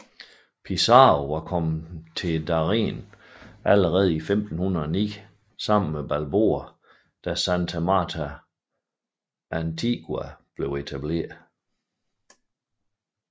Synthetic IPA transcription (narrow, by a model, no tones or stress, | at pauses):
pʰisɑ̈oʋɑ̈kʰɒ̽m̰̩t͡sʰe̝d̥ɑ̈ʁḛːnʔæləʁɛːð̞̩ˠifemd̥n̩hunɐɒnḭː | sɑ̈m̰n̩meb̥ælbo̝̰ːɐ | d̥æsænt͡sʰæmɑ̈ːt͡sʰæ | ʔænt͡sʰiɡ̥wuæb̥le̝ʊe̝t͡sʰæb̥le̝̰ːɐðˠ